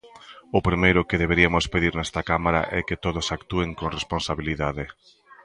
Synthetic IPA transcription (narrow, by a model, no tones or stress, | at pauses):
ʊpɾimejɾʊkeðeβ̞eɾiamʊspeðiɾnɛst̪ɐkamaɾa̰ʔɛket̪oðʊsakt̪ueŋkoŋresponsaβiliðaðe